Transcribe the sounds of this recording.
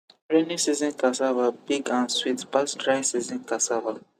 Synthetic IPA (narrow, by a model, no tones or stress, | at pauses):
ɹenisizĩnkasavabiɡãnswitbastɹajsizĩnkasava